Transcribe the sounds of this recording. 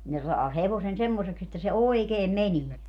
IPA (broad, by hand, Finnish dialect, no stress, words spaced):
ne sɑː heʋosen semːoseks etːæ se oikeːm menie